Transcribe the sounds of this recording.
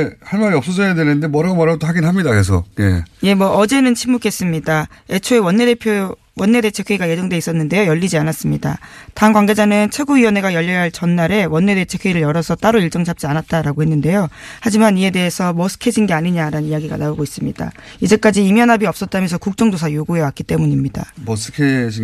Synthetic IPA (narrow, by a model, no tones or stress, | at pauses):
ehanmaɾiʌp̚s͈ʌd͡ʑʌjadwenɯnde̞mʌɾaɡomaɾaɡot͈ohaɡinɦamɲidakesʰʌ̰je̞̰je̞mwʌʌd͡ʑe̞nɯnt͡ɕʰimːukʰe̞s͈ɯmɲidae̞t͡ɕʰoe̞wʌnːedepʰjo | wʌnːe̞de̞t͡ɕʰekʰeiɡaje̞d͡ʑʌŋde̞is͈ʌnːɯnde̞jojʌʎːid͡ʑianas͈ɯmɲida̰tanɡwaŋɡe̞d͡ʑanɯnt͡ɕʰe̞ɡuiwʌne̞ɡajʌʎːʌjɦaɭt͡ɕʌnːaɾe̞wʌnːe̞de̞t͡ɕʰe̞kʰeiɾɯɭjʌɾʌsʰʌt͈aɾoiɭt͡ɕ͈ʌŋt͡ɕʰap̚t͡ɕ͈ianat̚t͈aɾaɡohenːɯnde̞johad͡ʑimanie̞de̞ɦesʰʌmʌsʰɯ̥kʰe̞d͡ʑinɡe̞aɲiɲaɾanɯnijaɡiɡa̰naoɡois͈ɯmɲid̥a̰ | id͡ʑe̞k͈ad͡ʑiːmjʌnɦabiʌp̚s͈ʌt̚t͈amjʌnsʰʌkuk̚t͡ɕ͈ʌŋdosʰajoɡue̞wak͈it͈e̞muɲimɲida̰mʌskʰei